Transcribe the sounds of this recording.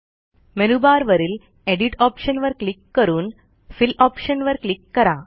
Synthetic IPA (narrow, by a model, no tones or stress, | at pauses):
menubaːɾʋɐɾil | eɖiʈaːpʂɐnʋɐɾkɭikːɐɾuːn | filaːpʂɐnʋɐɾkɭikːɐɾaː